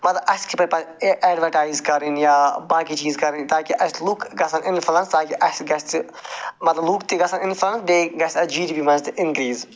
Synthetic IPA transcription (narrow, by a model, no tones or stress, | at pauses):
mɐt̪lɐbɐskipɐɾʲpɐʔɛːɖʋɐɾʈaːjzkɐɾinjaːbaːkit͡ʃiːzkɐɾint̪aːkiʔɐslukɡɐsɐnɪnfɐlɐnst̪aːkiʔɐsɡɐst̪ɨ | mɐt̪lɐblukt̪eɡɐsɐnɪnfʰlɐnsd̪eːɡɐsʲt̪ɐd͡ʒiːɾipimɐnst̪ɨʔɪnkɾiːz